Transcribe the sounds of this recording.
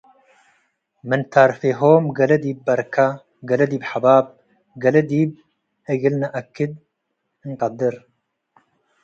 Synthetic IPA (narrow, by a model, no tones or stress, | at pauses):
mɨnt̪ʰaːɾfeːɦoːmɡɐlɐd̪iːbːɐɾkʰa | ɡɐlɐd̪iːbħabaːb̚ | ɡɐlɐd̪iːb̚ | eɡɪlnaʔɐkʰːɪd̪̚ | ɨŋqɐd̪ɨɾ